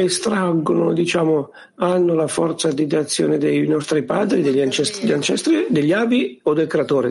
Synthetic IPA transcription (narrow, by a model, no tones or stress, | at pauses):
est̪ɾaɡːonod̪it͡ʃaːmo | anːʊlafɔrt̪sad̪id̪at̪sːjo̰ːnɪd̪ejnɔst̪ɾipaːd̪ɾid̪eʎːant͡ʃɛst̪ɾiant͡ʃɛst̪ɾid̪eʎːaːbiod̪ːelkɾeat̪oːɾḭ